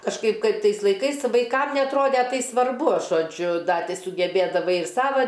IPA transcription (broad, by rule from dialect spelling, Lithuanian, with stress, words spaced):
kɐʃˈkɐɪp ˈkɐɪp ˈtɐɪs lˠɐɪˈkɐɪs ˈʋɐɪkɐm nʲɛɐtˈroːdʲɛ ˈtɐɪ sʋɐrˈbʊ ʒoːˈd͡ʒʲʊ ˈdɐ ˈtʲɪ sʊɡʲɛbʲeːdɐˈʋɐɪ ˈsɑːʋɐ